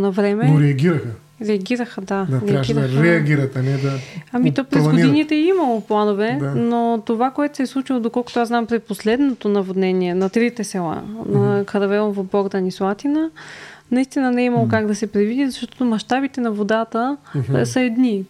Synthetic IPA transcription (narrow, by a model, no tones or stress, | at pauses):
nɐvɾɛmɛɾɛɐɡʲiɾəxə | ɾɛɐɡʲiɾəxəd̪ad̪aɾɛaɡiɾxɾɛɐɡʲiɾət̪ɐnɛd̪aɐmit̪ɔpɾɛɡoinit̪ɛimɐlˠoplˠanovɛd̪anot̪ovakoɛt̪o̥sɛslˠut͡ʃilˠod̪okɔlˠkʊ̥t̪oaznampɾɛposlɛd̪not̪onɐvod̪nɛniɛnɐt̪ɾit̪ɛsɛlˠa̰nɐkɐɾɐvɛlˠnvobɔɡd̪ɐnislˠat̪inənɐist̪inənɛimɐlˠokaɡd̪ɐsɛpɾɛvid̪izɐʃt̪ɔ̥t̪omɐʃt̪abit̪ɛnɐvod̪at̪əsəɛd̪ni